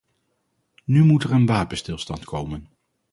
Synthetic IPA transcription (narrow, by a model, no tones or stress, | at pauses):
nymutɛɹənʋaːpənstɪlˠstɑntkowmən